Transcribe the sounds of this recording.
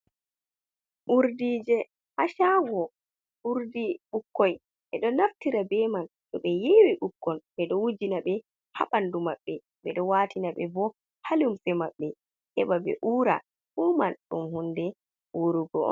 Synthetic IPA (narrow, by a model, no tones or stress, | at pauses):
ʔuɾdiːd͡ʒɛ | haʃawɔ | ʔuɾdiɓukːɔj | ʔɛɗɔnaftiɾabɛman | ɗɔɓɛjewiʔukːɔnɓɛɗɔwud͡ʒinaɓɛ | ha̰ɓandumaɓːɛ | ɓɛ̰ɗɔwaːtinaɓɛbɔ | halumfɛmaɓːɛ | hɛɓabɛ̰ʔuːɾa̰ | ɓumanɗumhundɛ | woɾuɡɔɔ̰n